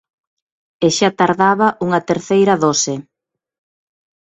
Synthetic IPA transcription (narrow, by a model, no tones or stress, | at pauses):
eʃat̪aɾðaβɐʔuŋɐt̪eɾθejɾɐðosɪ